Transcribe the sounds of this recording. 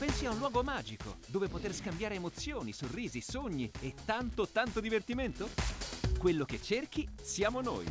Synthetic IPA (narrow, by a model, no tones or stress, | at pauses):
pɛnsiaunlwɔːɡomaːd͡ʒiko̰d̪oːvepot̪erskambjaːɾeːmot̪sjoːnisorːiːzisoɲːiet̪ːant̪ot̪ːant̪od̪ivert̪iment̪okwelːoket͡ʃːerk̟isjaːmono̰ːj